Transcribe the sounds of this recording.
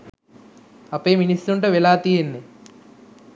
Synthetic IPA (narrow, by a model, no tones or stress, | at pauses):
ɐpeːminist̪uɳʈoʋelaːt̪iːenːe